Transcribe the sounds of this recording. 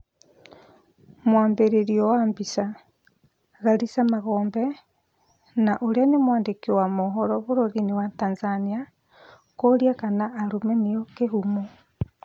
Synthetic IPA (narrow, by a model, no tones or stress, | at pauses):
mwaːmbeɾeɾiɔwambisa | ɣaɾisamaɣɔːmbɛ | naʔoɾeanemwaːndekewamoɦɔɾɔβoɾoɾinewataːnzania | koɾiakanaʔːɾumɛnejɔkeɦumo